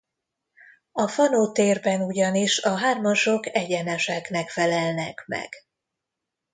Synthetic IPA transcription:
ɒfɒnoːt̪eːrbɛnuɟɒniʃɒɦaːrmɒʃo̞kɛɟɛnɛʃɛknɛkfɛlɛlnɛkmɛ̰ɡ̥

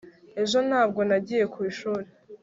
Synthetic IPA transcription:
e̞ʒo̞n̥haːb̚ɡo̞naɟiːje̞kwiːʃuːɾe

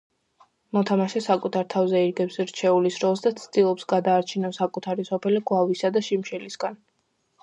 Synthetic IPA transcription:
mɔt̪ʰamaʃɛsakʼut̪ʰaɾt̪ʰavzɛiɾɡɛpsɾt͡ʃʰɛulisɾɔlˠs̬d̪at̪sʰd̪̥ilˠɔpsɡad̪aːɾt͡ʃʰinɔsakʼut̪ʰaɾisɔpʰɛliɡwavisad̪aʃimʃɛlisɡ̥an

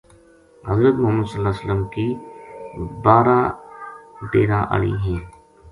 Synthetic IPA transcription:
ɦɐzɾət̪mʊɦəmːəd̪səlːaːsələmki | baːɾa | ʈeːɾaʔə̰ɭḭɦɛ̃ː

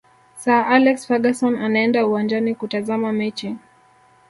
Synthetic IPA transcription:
saʔalɛksfaɠasɔnanaɛndauwand͡ʒanikutazamamɛt͡ʃiŋ

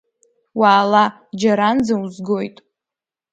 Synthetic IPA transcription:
waːla | d͡ʒaɾand͡zauzɡo̞jtʼ

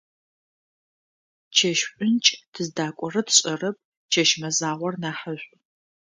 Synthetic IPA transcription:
t͡ʃʰɐʃɕʷʼʊnt͡ʃʼtʰɨzdaːkʷʼɔrɐtʰɕʼɐrɐp̚ | t͡ʃʰɐʃmɐzaːʁʷɔrnaːħəɕʷʼ

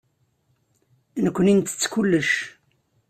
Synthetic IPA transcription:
nəkʷːənint̪ə̥t͡sːkulːəʃ

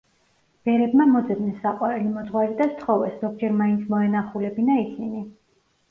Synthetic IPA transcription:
b̥ɛɾɛbmamɔd̪zɛd̪nɛsːaqʼwaɾɛlimɔd̪zʁwaɾid̪ast̪ʰχɔvɛsz̥ɔɡ̚d͡ʒɛɾmaint̪sʰmɔɛnaχulɛbinaisini

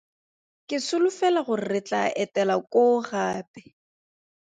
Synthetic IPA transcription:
kʼɪsʊlʊfɛlaχʊrɪt͡ɬaʔɛtɛlakoɣaːpɛ̥

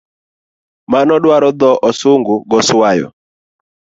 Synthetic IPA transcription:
manɔdwaɾɔd̪ɔʔɔsʊŋɡʊɡɔswajɔ̰

